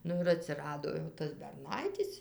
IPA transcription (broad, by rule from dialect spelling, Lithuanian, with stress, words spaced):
ˈnʊ ɪr ɐtʲsʲɪˈrɑːdoː jɛʊ ˈtɐs bʲɛrˈnɐɪtʲɪs